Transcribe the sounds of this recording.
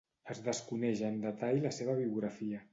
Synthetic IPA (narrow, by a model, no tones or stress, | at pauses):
əzðəskunɛʒəːnd̪ət̪aʎləseβ̞əβiuɣɾəfiə